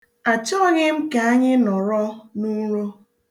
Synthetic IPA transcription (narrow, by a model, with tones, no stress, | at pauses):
a˨t͡ʃɔ˦ɣɪ˦m̩˦ka˨a˦ɲɪ˦nɔ˨ɾɔ˦nu˦ɾo˦